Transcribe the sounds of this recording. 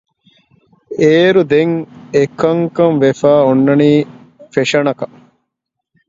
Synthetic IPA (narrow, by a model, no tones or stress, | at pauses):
eːɾud̪eŋekɐŋkɐmʋefæːonːɐniː | feʂɐnɐkɐ